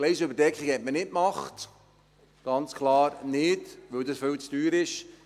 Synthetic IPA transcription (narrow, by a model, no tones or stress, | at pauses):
lɛɪsəʏbəɾdɛkχiɡhɛt̚mənɪtmɑχt | ɡ̥ɑnt͡skʰχlɑːɾnɪdʋɵwdəsfʏwt͡sd̥yːɾɪʃ